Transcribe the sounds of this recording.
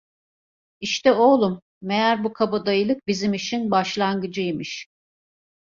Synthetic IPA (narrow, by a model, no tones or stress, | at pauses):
iʃt̪ɛo̞lˠumː | ejæɾbukʰabad̪ajɯlˠɯk̚bizimiʃinbaʃlˠanɡɯd͡ʒɯjimɯʃ